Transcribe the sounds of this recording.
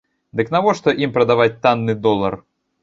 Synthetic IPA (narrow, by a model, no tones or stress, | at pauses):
d̪ɨknavɔʂt̪ɔʔimpɾɐd̪avat͡sʲt̪anːɨd̪ɔlˠːɐ̰r